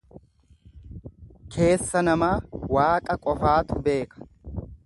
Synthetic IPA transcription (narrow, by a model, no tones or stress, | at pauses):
kʰe̞ːsːɐnɐmaːwaːkʼɐkʼɔfaːt̪ʊbe̞ːkɐ̥